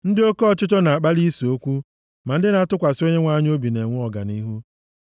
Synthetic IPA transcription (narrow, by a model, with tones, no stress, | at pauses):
n̩˦dɪ˦o˦kɔ˦ɔ˨t͡ʃʊ˦t͡ʃɔ˦na˨a˨k͡pa˦li˦so˦kʷu˦ | ma˨n̩˦dɪ˦na˨tʊ˦kʷa˨so˦ɲe˦ŋʷa˦ɲ˦o˦bi˨ne˨ŋʷʊ˦ɔ˨ɡa̰˨ni˦ɦu˦